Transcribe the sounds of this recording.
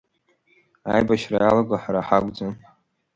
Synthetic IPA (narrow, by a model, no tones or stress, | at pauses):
a̰jbaʃrajalaɡʷaħaɾaħakʷʼd͡zan